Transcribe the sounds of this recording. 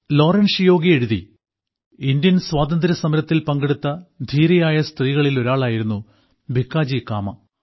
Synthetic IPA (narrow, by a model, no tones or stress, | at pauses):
lo̞ːrɐnʂjo̞ːɡieɻuðḭ | ind̪jɐnswaːd̪ɐnd̪ɾɐsɐmɐɾɐt̪ːilpɐŋɡeɽut̪ːɐd̪ʱiːɾɐjaːjɐst̪riːɣɐɭilo̞ɾaːɭaːjiɾunːu | bʱikːaːd͡ʑikaːmɐ